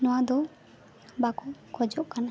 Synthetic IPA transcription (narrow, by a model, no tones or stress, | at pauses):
nɔwad̪ɔ | bakɔkɔd͡ʒɔʔkana